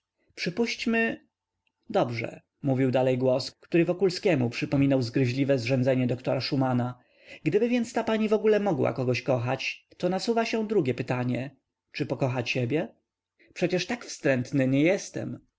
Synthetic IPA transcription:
pʂɘpuɕt͡ɕmɘ | d̪ɔbʐɛ̰ | muvʲiwd̪alɛjɡwɔskt̪uɾɘvɔkulskʲɛmupʂɘpɔmʲinawzɡɾɘʑlʲivɛzʐɛnd̪zɛɲɛd̪ɔkt̪ɔɾaʂumana | ɡd̪ɘbɘvʲjɛnt̪st̪apaɲivɔɡulɛmɔɡwa̰kɔɡɔɕkɔxat͡ɕt̪ɔnasuvaɕɛ̃d̪ɾuɡʲjɛpɘt̪aɲɛ | t͡ʂɘpɔkɔxat͡ɕːɛbʲjɛ | pʂɛt͡ɕɛʂt̪akfst̪ɾɛnt̪nɘɲɛjɛst̪ɛ̰m

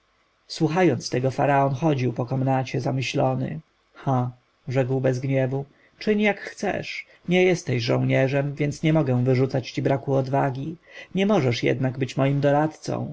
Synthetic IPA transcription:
swuxajɔnt̪st̪ɛɡɔfa̰ɾaɔnxɔd͡ʑiwpɔkɔmnat͡ɕɛzamɘɕlɔnɘ̰ | xa | ʐɛkwbɛzɡɲɛvu | t͡ʂɘɲjakxt̪sɛ̰ʂ | ɲɛjɛst̪ɛɕʐɔ̃w̃ɲɛʐɛmvʲjɛnsɲɛmɔɡɛ̃w̃vɘʐut̪sat͡ɕt͡ɕibɾakuɔd̪vaɡʲiɲɛmɔʐɛʂjɛ̰d̪naɡbɘt͡ɕmɔjimd̪ɔɾat̪t̪sɔ̰̃w̃

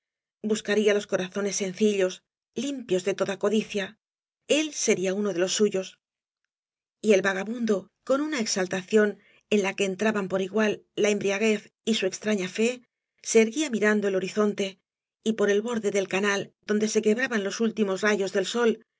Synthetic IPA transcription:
buskaɾialo̞sko̞ɾaθo̞ne̞sːe̞n̟θiʎo̞s | limpjo̞zðe̞t̪o̞ðako̞ðiθja | e̞lse̞ɾiaunoðe̞lo̞sːuʝo̞s | ie̞lβaɣ̞aβund̪o̞ | ko̞nunae̞ksalt̪aθjo̞n | e̞nlake̞ːnt̪ɾaβampo̞ɾiɣwalːae̞mbɾiaɣ̞e̞θ | isue̞kst̪ɾaɲafe̞ | se̞ːɾɣiamiɾand̪o̞e̞lo̞ɾiθo̞nt̪e̞ | ipo̞ɾe̞lβo̞ɾðe̞ðe̞lkanald̪o̞nd̪e̞se̞ke̞βɾaβanlo̞sult̪imo̞sraʝo̞zðe̞lso̞l

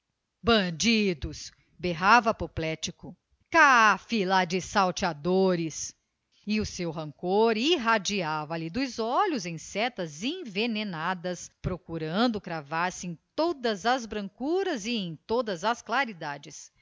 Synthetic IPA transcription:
bɐ̃d͡ʒid̪ʊs | beɦavɐpoplɛt͡ʃikʊ | kafilad͡ʒɪsawt͡ʃiad̪oɾɪs | ɪʊsewɦɐ̃ŋkoɾiɦad͡ʒiavɐlɪd̪ʊzɔʎʊzẽj̃sɛt̪ɐzẽvenenad̪ɐspɾokuɾɐ̃nd̪ʊkɾavaɾsɪẽj̃t̪od̪ɐzɐzbɾɐ̃ŋkuɾɐzɪẽj̃t̪od̪ɐzɐsklaɾid̪ad͡ʒɪs

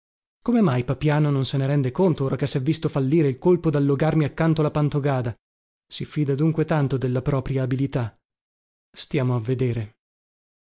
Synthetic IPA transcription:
komemajpapjaːnononseneɾɛnd̪ekont̪ooːɾakesɛvːist̪ofalːiːɾeilkolpod̪alːoɡarmiakːant̪oalapant̪oɡaːd̪a | sifiːd̪ad̪uŋkwet̪ant̪od̪elːapɾɔːpɾjaːbilit̪a | st̪jaːmoavːed̪eːɾe

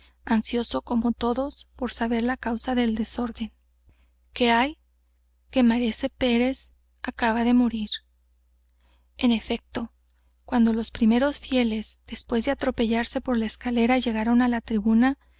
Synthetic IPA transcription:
ansjo̞so̞ko̞mo̞t̪o̞ðo̞spo̞ɾsaβ̞e̞ɾlakawsaðe̞ld̪e̞so̞ɾðe̞ŋ | ke̞aj | ke̞maɾese̞pe̞ɾe̞s | akaβaðe̞mo̞ɾiɾ | e̞ne̞fe̞k̚t̪o̞ | kwand̪o̞lo̞spɾime̞ɾo̞sfje̞le̞zd̪̥e̞spwe̞zðe̞at̪ɾo̞pe̞ʝaɾse̞po̞ɾlaeskale̞ɾaʝe̞ɣaɾo̞nalat̪ɾiβuna

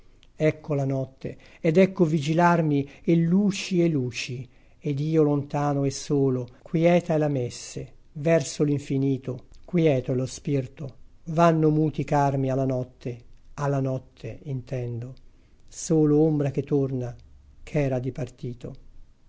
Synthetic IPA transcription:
ɛkʰːolanɔt̪ːḛ | ed̪ɛkːovid͡ʒilarmielːuːt͡ʃielːuːt͡ʃi | ed̪iːolont̪aːnoɛsːoːlokʰwjɛːt̪aelamesːe | vɛrsoliɱfiniːt̪okwjɛːt̪oelospirt̪ovanːomuːt̪ikarmialːanɔt̪ʰːealːanɔt̪ʰːeint̪ɛnd̪o | soːloombɾak̟et̪ːornakʰɛːɾad̪ipart̪iːt̪o

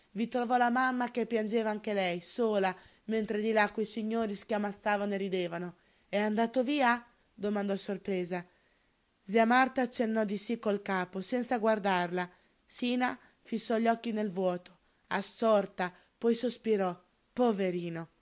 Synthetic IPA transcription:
vit̪ɾovɔlamamːakepːjand͡ʒeːvaaŋkelɛjsoːla | ment̪ɾed̪ilakːujsiɲːoːɾiskeamːat̪sːaːvanoeɾid̪eːvano | ɛand̪aːt̪oviːa | d̪omand̪ɔsorpɾɛːza | ziamart̪aːt͡ʃːenːɔd̪isikːolkaːposɛnt̪saɡward̪arla | siːna | fisːɔʎːɔkːinelvwɔːt̪o̥ | asːɔrt̪a | pɔjsospiɾɔ | poveɾiːno

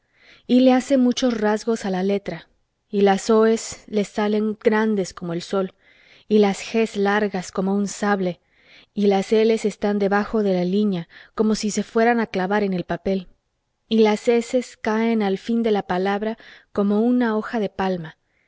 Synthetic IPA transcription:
ile̞ase̞nmut͡ʃo̞srazɣo̞salale̞t̪ɾa | ilaso̞e̞sle̞sale̞ŋɡ̥ɾand̪e̞sko̞mo̞e̞lso̞l | ilasxe̞slaɾɣasko̞mo̞unsaβle̞ | ilase̞le̞se̞st̪and̪e̞βaxo̞ðe̞laliɲako̞mo̞sise̞fwe̞ɾanaklaβaɾe̞ne̞lpape̞l | ilase̞se̞skae̞nalfind̪e̞lapalaβɾako̞mo̞unao̞xaðe̞palma

